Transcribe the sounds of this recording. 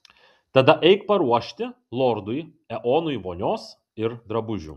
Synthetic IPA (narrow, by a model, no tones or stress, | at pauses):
t̪ɐd̪ɐʔɛɪkpɐɾuɔʃʲt̪ʲɪ | lˠɔɾd̪ʊj | ɛʔoːnʊiʋoːnʲoːs | ɪɾd̪ɾɐbʊʒʲṵː